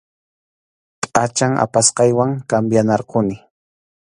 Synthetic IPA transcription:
tʼat͡ʃaŋʔa̰pasqɑjwaŋkambjanɑɾqʊnɪ

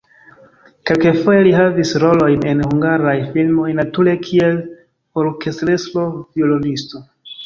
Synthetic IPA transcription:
ke̞lkefo̞je̞liɦavisɾo̞lo̞jne̞nhuŋɡaɾajfilmo̞jnatule̞kʰie̞l | o̞ɾke̞stɾestɾo̞violonisto̞

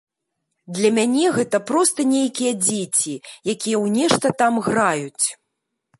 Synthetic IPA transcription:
d̪lʲɐmʲanʲɛɣɛt̪ɐpɾɔst̪ɐnʲejkʲijɐd͡zʲet͡sʲijakʲijɐwnʲɛʂt̪ɐt̪amɣrajut͡sʲ

